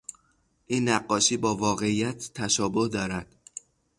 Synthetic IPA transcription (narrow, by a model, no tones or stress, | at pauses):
ʔiːnːæɢːɒːʃiːbɒːvɒːɣe̞ijæt̪ʰːæʃɒːbohd̪ɒːɾæd̪̥